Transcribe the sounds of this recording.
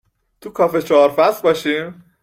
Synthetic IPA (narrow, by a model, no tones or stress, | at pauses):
t̪ʰukʰɒːfe̞t͡ʃʰɒːɾfæsbɒːʃiːm